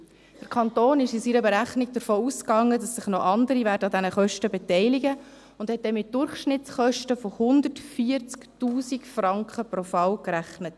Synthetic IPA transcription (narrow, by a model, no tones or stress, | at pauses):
d̥əɾkʰɑntoːnɪʃɪsiːɾəbɛɾæχniɡ̚d̥əɾfoːuskɑŋːədɑsːɪχnɔʔɑndəɾivæːɾdəɑdænəχœʃtəbɛtɛɪlɪɡə | ʊnd̥hɛt̚d̥ɛmɪt̚d̥ʊɾχʃnɪtt͡sχœʃtəfɔhʊnd̪ətfiəɾt͡sktuːsikfrɑŋkχəprɔfɑwkɾæχnət